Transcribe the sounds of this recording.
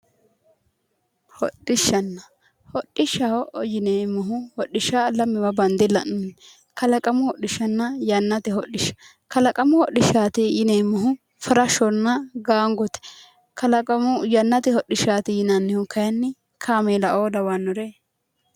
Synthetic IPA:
hɔ̰ɗːɪʃːɐnːɐ | hɔɗɪʃɐhɔʔjɪneːmːɔɦʊhɔɗɪʃaːlɐmːɪwɐbɐnd̪ɪlɐ̰nʊn | kɐlɐkʼɐmʊhɔɗːɪʃɐnːɐjɐnːɐt̪ɪhɔɗɪʃːɐ̥ | kɐlɐkʼɐmʊhɔɗɪʃaːt̪ɪjɪneːmːɔɦʊ | fɐɾɐʃɔnːɐɡaːŋɡɔt̪ɛ̥ | kɐlɐkʼɐmʊjɐnːɐt̪ɪhɔɗːɪʃaːt̪ɪjɪnɐnːɪhʊkɐjɐnːɪ | kʰaːmeːlɐʔoːdɐwanːʊɾeː

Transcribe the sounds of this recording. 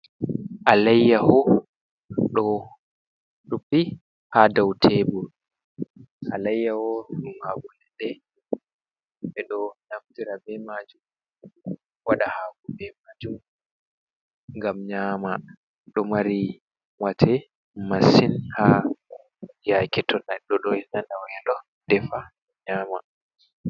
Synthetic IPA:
ʔalɛjːahɔ | ɗɔ | ɗupːi | hadawtʰɛbɔ | ʔalajːahɔɗɔmaɡulɛɗɛ | ɛɗɔnaftiɾabɛmad͡ʒum | waɗahaɡubɛmad͡ʒum | ŋɡamɲama | ɗɔmaɾi | watʰɛ | masinha | jakɛtʰɔnaɗɔɗɔɛnanawɛɗɔ | d̥ɛfa | ɲaːma̰

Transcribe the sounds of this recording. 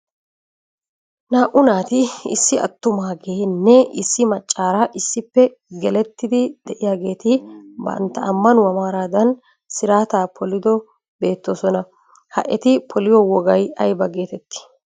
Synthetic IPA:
naːʔʊnaːt̪ɪɪ̰sːɪɐ̰t̪ːʊmaːɡeːnːɛɪsːɪmɐt͡ʃʼːaːɾaʔɪsːɪpːɛ | ɡɛlɛt̪ːɪd̪ɪd̪̥ɛʔɪjaːɡe̞ːt̪ɪbɐ̰nt̪ːɐʔɐmːɐnʊwɐmaːɾaːd̪ɐn | sɪɾaːt̪aːpʰɔlɪd̪ɔ | be̞ːt̪ːoːsɔnɐ | hɐ̰ʔɛt̪ɪpʰɔlɪjɔwɔɡɐjɐjbɐɡe̞ːt̪ɛt̪ːɪ̥

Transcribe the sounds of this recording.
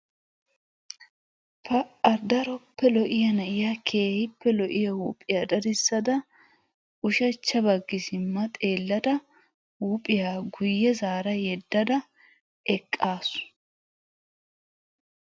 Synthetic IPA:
pɐɐɾd̪ɐɾɔpːɛlɔʔɪjɐnɐʔɪjakʰeːhɪpːɛlɔʔɪjɐhuːpʼɪjad̪ɐd̪ɪsːɐd̪ɐ | ʔʊʃɐt͡ʃːɐbɐɡːɪsɪmːɐt̪ʼe̞ːlːɐd̪ɐ | huːpʼɪjaːɡʊjːɛzaːɾɐjɛd̪ːɐd̪ɐ | ɛkʼːaːsʊ̥

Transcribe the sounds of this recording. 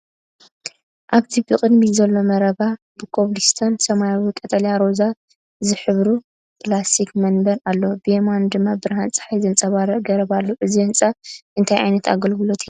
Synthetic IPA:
ʔaβt̪ʰibɨkʼɨd̪mizɐlːo̞mɐɾɐβa | b̥ɨkʰoβlist̪ʰɐnsɐmajawikʼɐt̪ʼɐljaɾo̞za | zɨħɨβɾu | pʰʼlasikmɐnbɐɾalːobɨjemand̪ɨmːabɨɾhant͡sʼɨ̥ħajzɨnt͡sʼɐβaɾɐʔɡɐɾɐβalːoʔɨziɨnt͡sʼaʔɨnt̪ʰajʕa̰jnɐt̪ʰa̰ɡɐlɡɨlo̞t̪ʰi

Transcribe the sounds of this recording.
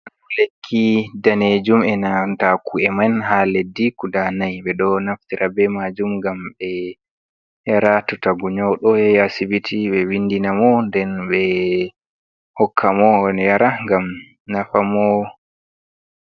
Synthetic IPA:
ʔanlekʰːidaned͡ʒumɛnatakuɛmanɦaledːikudanajɓɛɗɔnaft̪iɾʔabɛmad͡ʒumŋɡambɛ | jaɾatutaɡuɲɔwɗɔjɛjasibitiɓɛwinːdinamɔndɛnɓɛ | hɔkʰːamɔjaɾaŋɡam | nafamɔ

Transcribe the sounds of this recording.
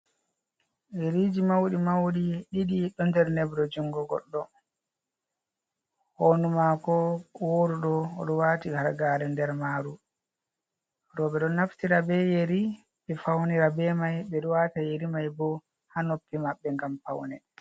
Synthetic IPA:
jeɾid͡ʒimawɗimawɗiɗiɗiɗɔndɛɾnɛbɾɔd͡ʒuŋɡɔɡɔ̰ɗːɔ | honumakɔwoɾuɗɔɗɔwaːtihaɾɡaːɾɛndɛɾmaːɾu | ɾɔɓɛɗɔnaftiɾabɛjeɾi | ɓɛfawniɾabɛmajɓɛɗuwatajeɾimajbɔ | hanopːimaɓːɛŋɡampa̰wnɛ

